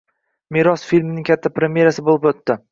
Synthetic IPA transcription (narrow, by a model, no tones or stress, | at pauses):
miɾɒsfilʲmnɪŋkʲʰat̪ʰːapɾemʲje̞ɾasɪbolˠɪpot̪ːɪ